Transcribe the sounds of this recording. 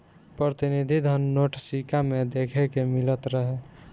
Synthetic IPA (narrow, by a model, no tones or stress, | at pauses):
pɾət̪inid̪ʱid̪ʱənːoʈsikamed̪ekʰekemilət̪ɾəɦe